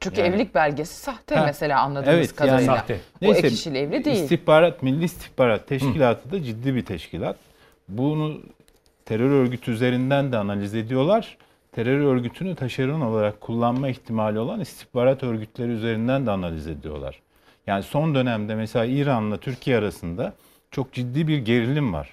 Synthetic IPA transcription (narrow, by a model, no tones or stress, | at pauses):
t͡ʃʰyɲcyɛvlʲic̚bælʲɟe̞si̥saht̪ʰɛmese̞lʲaːanlˠad̪evɛtt̪kaaːnejsɛiʃilʲɛvlʲid̪eijsilʲt̪ihbaːɾat̪milʲːiːst̪ʰi̥hbaːɾat̪ʰːɛʃkilʲaːt̪ʰɯd̪ad͡ʒid̪ːiːbit̪ʰɛʃcʰilʲat̪̚ | bunu | t̪ʰeɾøɾøɾɟyt̪ʰyyze̞ɾind̪ænd̪ɛanalʲize̞d̪ijo̞lˠaɾ̥ | t̪ʰe̞ɾøɾøɾɟyt̪ʰynyt̪ʰaʃaɾɯno̞lˠaɾakʰːulˠːanmaiçt̪ʰimaːlʲio̞lˠanist̪ʰi̥hbaːɾat̪ʰø̞ɾɟyt̪ʰlʲe̞ɾiyze̞ɾind̪ænd̪ɛanalʲize̞d̪ijo̞̰lˠa̰ɾ̥ | jaːniso̞nd̪ø̞næmd̪ɛmɛselʲaːiːɾanlˠat̪ʰyɾcʰijɛaɾasɯnd̪a | t͡ʃʰo̞k̚d͡ʒid̪ːiːbiɾɟe̞ɾilʲimva̰ɾ̥